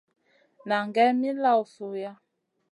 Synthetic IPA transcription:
na˨ŋɡɛ˦mi˦la˦˨wsu˨ja˦

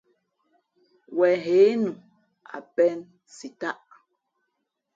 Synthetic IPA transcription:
wɛ˨ɦe˨˦nu˨ | a̰˨pɛ˦n | si˨ta˦ʔ

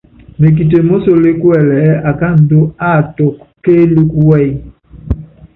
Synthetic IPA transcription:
me˨k̬i˨t̬e˨mo˦so˨le˦kwɛ˦˨lɛ˨˦a˨ka˦n̩˨do˦a˦˨tɔ˨kke˦lu˦ku˦wɛ˦˨i˦

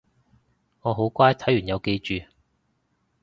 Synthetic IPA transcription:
ŋɔː˨˧ɦo˨˥wkʷaː˥jt̪ʰɐ˨˥jyː˨˩njɐ˨˧wke˧jt͡ʃyː˨

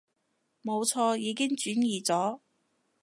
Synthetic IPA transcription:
mo˨˧wt͡sʰɔː˧jiː˨˧kɪ˥ŋt͡ʃyː˨˥njiː˨t͡sɔː˨˥

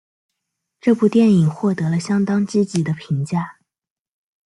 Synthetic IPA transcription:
ʈ͡ʂɤ˥˧pu˥˧t̪jɛ˥˩ni˨˩ŋxwɔ˥˩t̪ɤ˧˥lə˧ɕjɑ˥ŋt̪ɑ˥ŋt͡ɕ̩˥˩t͡ɕi˨˥d̪ə˦pʰi˧˥ŋt͡ɕja˥˩

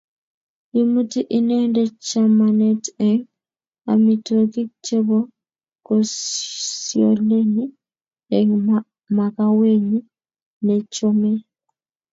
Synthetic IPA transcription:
i˦mu˦ti˦ʔineː˦nde˦t͡ʃamaneteŋ | a̰˨mi˨to˨ki˦t͡ʃe˦βo˦ | kossjo̰˨leni˦ | e | ma˨kawe˦ɲi | net͡ʃome˦

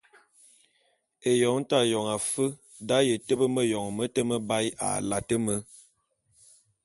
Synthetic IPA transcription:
e˨jɔ˨˦ŋ˦ta˦jɔ˨ŋa˨fə˦ | da˨˦jə˨tə˦bə˦mə˦jɔ˨ŋmə˦tə˦mə˦ba˦ja̰˨la˨tə˦mə˦

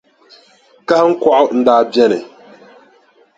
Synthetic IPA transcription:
ka˦ŋ̩˦kwa˦ʔn̩˦da˦bjɛ˦nɛ˨

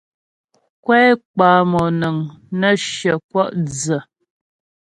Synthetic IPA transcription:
kwɛ˦k͡paː˨˦mɔ˨nə˨ŋnə˦ʃjə˨kwɔ˦ʔd͡zə˨

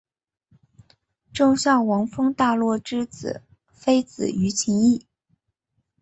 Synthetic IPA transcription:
ʈ͡ʂo˥˧ʊɕjɑ˥˩ʊwɑ˧˥ŋfɤ˥ŋt̪a˥˧lwɔ˥˩ʈ͡ʂɻ̩˥t͡sɹ̩̰˨˩˦ | fe˥ɪt͡sɹ̩̰˨˩y˧˥t͡ɕʰi˧˥ŋi˥˩

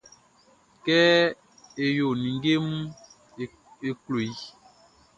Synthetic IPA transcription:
kɛ˦ | e˨jo˨nĩ˨ŋɡe˦mu˦˨ | e˨klo˨i˦

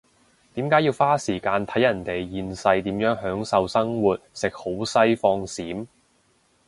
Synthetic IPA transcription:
t̪iː˨˥mkaː˨˥jiː˧wfaː˥siː˨˩kaː˧nt̪ʰɐ˨˥jɐ˨˩nt̪e˨jːiː˧nsɐ˧jt̪iː˨˥mjœː˨˥ŋɦœː˨˥ŋsɐ˧wsɐ˥ŋwuː˨t̪̚sɪ˨k̚ho˨˥wsɐ˥jfɔː˧ŋsiː˨˥m

